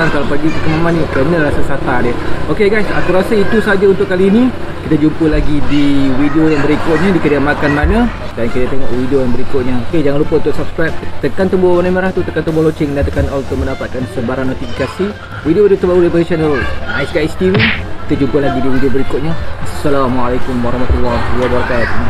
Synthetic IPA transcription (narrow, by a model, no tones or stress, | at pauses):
aŋkalapad͡ʒuʔikəmamãnːikənə̃ɾasasat̪adɪokeɡajsa̰t̪uɾasait̪usad͡ʒaunt̪ʊʔkːaliːnikit̪ad͡ʒumpəlaɡidiwidiojaŋbəɾikʊt̪̚ɲə̃dikədəamakanmanədankit̪at̪eŋɔʔwidiojaŋbəɾikʊt̪̚ɲəoked͡ʒaŋanlupəunt̪ʊʔsap̚skɾajp̚t̪əkant̪əbowanamaɾaht̪ut̪əkant̪əmbulot͡ʃɪŋdant̪əkanɔlt̪ʊmə̃ndapat̪̚kansəbaɾaŋnot̪ifikasi | widiowidiot̪əbaɾulipəisanəlajskast̪ivikit̪ad͡ʒumpəlaɡidiwidiobəɾikʊt̪̚ɲəasːalamalakʊmwaɾɑhmat̪ulːɑwabaɾakat̪u